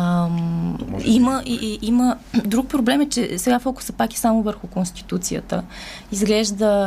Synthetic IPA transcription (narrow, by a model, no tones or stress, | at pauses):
iməʔiimə | d̪ɾuk̚pɾoblɛmɛt͡ʃɛsɛɡafɔkʊ̥səpaki̥samovəɾxʊkonst̪i̥t̪ut̪sijə̰t̪ə | izɡlɛʒd̪ə